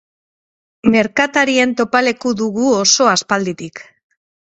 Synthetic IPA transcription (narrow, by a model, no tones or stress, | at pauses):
me̞ɾkat̪aɾie̞nt̪o̞pale̞kuðuɣuoso̞aspald̪it̪ik